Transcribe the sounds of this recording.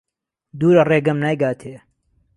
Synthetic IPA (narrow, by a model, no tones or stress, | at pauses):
d̪uːɾɐreːɡɐmnaːjɡaːt̪ʰeː